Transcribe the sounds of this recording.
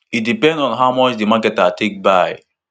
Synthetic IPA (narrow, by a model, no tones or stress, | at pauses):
it̚dipɛ̃ndɔ̃nɦaʊmɔt͡ʃdimakɛtatek̚baɪ